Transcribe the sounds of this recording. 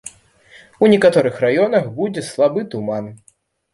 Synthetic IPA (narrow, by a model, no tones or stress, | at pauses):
unʲɛkat̪ɔɾɨxrajɔnɐxbud͡zʲɛslˠabɨt̪uman